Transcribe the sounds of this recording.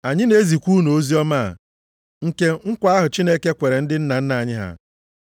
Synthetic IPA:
a˨ɲɪ˦ne˦zi˨kʷu˦no˨o˦zi˦ɔ˦ma˦˨ | ŋ̩˨ke˦ŋ̩˦kʷa˦ɦʊ˨t͡ʃi˦ne˦ke˦kʷe˨ɾe˨n̩˦dɪ˦n̩˦na˨n̩˦na˨ɲɪ˦ɦa̰˨

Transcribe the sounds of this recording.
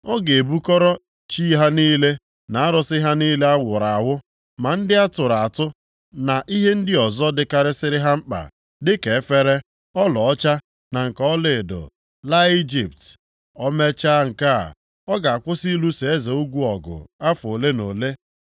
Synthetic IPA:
ɔ˦ɡe˨e˨bu˦kɔ˦ɾɔ˦ | t͡ʃi˦ɦa˦niː˦le˦ | na˨a˦ɾɔ˦sɪ˦ɦa˦niː˦le˦a˦wʷʊ˨ɾa˨a˨wʊ˦ | ma˨n̩˦dɪ˦a˦tʊ˨ɾa˨a˨tʊ˦ | na˨ʔi˦ɦe˦n̩˦dɪ˦ɔ˨zɔ˦dɪ˦ka˦ɾɪ˦sɪ˦ɾɪ˦ɦa˦m̩˦k͡pa̰˨ | dɪ˦ke˨˦fe˦ɾe˦ | ɔ˦lɔ˨ɔ˦t͡ʃa˦ | na˨ŋ̩˨kɔ˦lɪ˨dʊ̰˨ | la˦i˦d͡ʒi˨p̚t | ɔ˦me˦t͡ʃa˦ŋ̩˨ka̰˦˨ | ɔ˦ɡa˨a˨kʷʊ˦si˦lu˦se˨e˦ze˨u˦ɡʷu˦ɔ˨ɡʊ̰˨a˦fo˨le˦no˨le˦

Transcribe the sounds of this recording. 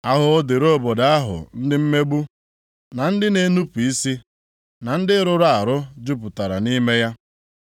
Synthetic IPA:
a˦ɦʊ˦de˨ɾo˦˨bɔ˨da˦a˦ɦʊ̰˨n̩˦dɪ˦m̩˦me˦ɡ͡bu˦ | na˨n̩˦dɪ˦ne˨˦nu˦pi˦si˦ | na˨n̩˦dɪ˦ɾʊ˨ɾa˨ɾʊ˦d͡ʒu˦p̬ʊ˨ta˨ɾa̰˨ni˦me˦ja˦

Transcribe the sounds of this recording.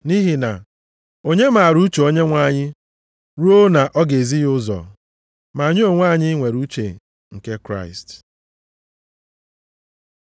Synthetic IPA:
ni˦ɦi˨na̰˨ | o˦ɲe˦ma˨ɾu˦t͡ʃe˨o˦ɲe˦ŋʷa˦˨ɲɪ˦ | ɾu˦o˦na˨ʔɔ˦ɡe˨zi˦jʊ˦zɔ̰˨ | ma˨ɲo˦o˨ŋʷa˦˨ɲɪ˦ŋʷe˨ɾu˦t͡ʃḛ˨ | ŋ̩˨ke˦kɾa̰˦ɪ˨st

